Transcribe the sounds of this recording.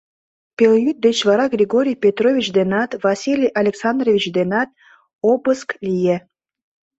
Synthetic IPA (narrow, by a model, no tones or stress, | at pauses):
pʲeljyt̪̚d̪et͡ɕvɑɾɑɡrʲiɡoɾʲijpʲet̪rovʲit͡ɕd̪enɑt̪vɑsʲilʲijʔɑlʲeksɑnd̪rovʲit͡ɕd̪enɑt̪̚ | obəsklʲije